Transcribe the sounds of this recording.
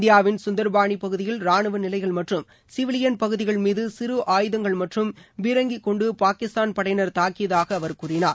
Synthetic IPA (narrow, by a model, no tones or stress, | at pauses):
d̪ɪjaːʋɪnsʊnd̪ɐɾbaːɳipɐɣɯðɪjɪlɾaːɳɯʋɐnɪlɐɪɣɐɭmɐʈrɯm | sɪʋɪlɪjɐnpɐɣɯðɪɣɐɭmiːðɯsɪɾɯʔaːjɯðɐŋɡɐɭmɐʈrɯmʋɪɾɐŋɡɪkːɔɳɖɯpaːkɪst̪aːnpɐɽɐjnɐɾt̪aːkːɪjɐðaːɣɐːʋɐɾkuːrɪnaː